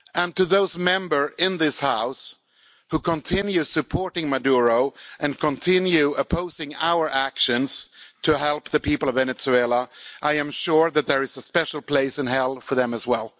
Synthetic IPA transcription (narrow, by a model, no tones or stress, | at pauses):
ʔɨ̃ntɨðoʊzmɛ̃mbə˞ɪ̃nðɪshaʊs | hukʰə̃ntʰɪ̃njʉsɨpʰɔɹɾɪ̃ŋmɨduɹoʊʔɨ̃nkʰə̃ntʰɪ̃njʉəpʰoʊzɪ̃ŋaʊə˞ʔækʃɨ̃nz̥tʰɨɦɛlˠp̚ðɨpipl̩ˠʌvɛnɨtsuelˠəʔaɪɨ̃mʃʊɹðɨt̪̚ðə˞ɨzəspɛʃl̩ˠpʰl̥eɪsɨ̃nɦɛlˠfə˞ðɨ̃mɨzwɛlˠ